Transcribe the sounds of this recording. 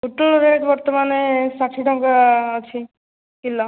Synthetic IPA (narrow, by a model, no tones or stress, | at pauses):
uʈulɾeʈbɔɾt̪ɔmanesaʈʰiʈʰɔŋkaːt͡ʃʰi | kilɔ